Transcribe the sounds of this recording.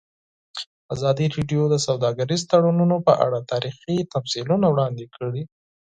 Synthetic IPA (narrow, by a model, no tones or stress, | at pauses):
azɑd̪iɾeɖjod̪əsawd̪ɑɡaɾizt̪aɽununopə̰ʔa̰ɽat̪ɑɾixit̪afsilunawɽɑnd̪ekʰəɽi